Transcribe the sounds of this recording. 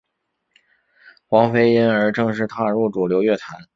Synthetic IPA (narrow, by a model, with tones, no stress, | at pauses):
xwɑ˧˥ŋfe˥ɪi˥nə˞˧˥ʈ͡ʂɤ˥˧ŋʂ̬ɻ̩˥˧t̪ʰa˥˩˨ɻu˥˩ʈ͡ʂu˨˩ljo˧˥ʊɥɛ˥˩t̪ʰa˧˥n